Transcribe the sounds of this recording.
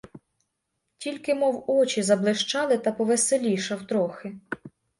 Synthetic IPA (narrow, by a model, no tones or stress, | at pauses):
tʲilʲkɪmɔwɔt͡ʃʲizɐblˠɪʃt͡ʃɑlˠɪt̪ɐpɔʋeselʲijʃɐwt̪ɾɔxɪ